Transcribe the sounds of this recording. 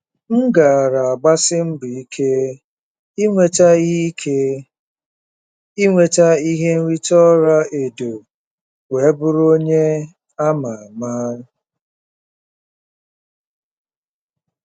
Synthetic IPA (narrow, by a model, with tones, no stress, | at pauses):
ŋ̩˦ɡa˨a˨ɾa˨a˨ɡ͡ba˦sɪ˦m̩˦bʊ˨i˦kʰe˦ | i˦ŋʷe˦ta˦i˦ke˦ | i˦ŋʷe˦˨ta˦i˦ɦe˦n̩˦ɾi˦tɔ˦ɾa˦e˨do˨ | we˨˦bʊ˦ɾo˦ɲe˦ | a˦ma˨a˨ma˦